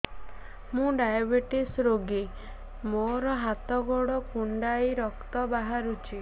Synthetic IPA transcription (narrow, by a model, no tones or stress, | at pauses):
mũɖajabeʈisɾoɡi | moɾɔɦat̪ɔɡoɽɔkuɳɖajɾɔkt̪ɔbaɦaɾut͡ʃʰi